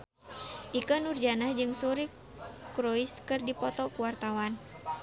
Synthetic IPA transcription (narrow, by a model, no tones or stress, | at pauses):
ʔikənurd͡ʒanahd͡ʒɨŋsuɾi | kɾoiskɨrdipɔt̪ɔkuwart̪awan